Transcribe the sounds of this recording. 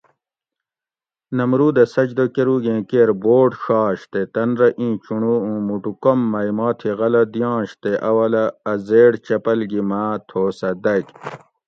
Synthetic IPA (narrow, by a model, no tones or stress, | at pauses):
nɐmɾuːd̪ɐsɐd͡ʑd̪okeɾuɡẽːkeɾboːʈʂɑːɕt̪et̪ɐnɾɐʔĩːt͡ɕuɳuũːmuʈukomːɐjmɑːt̪ʰiɣɐlɐd̪jɑ̃ːɕt̪eʔɐwɐlɐːzeːɽt͡ɕɐpɐlɡimaːt̪ʰoːsɐd̪ɐk